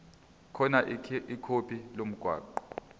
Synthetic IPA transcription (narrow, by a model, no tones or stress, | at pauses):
kʰɔnaʔikʰopʰʼilom̩ɡ̥ʱwa̰ːǃɔ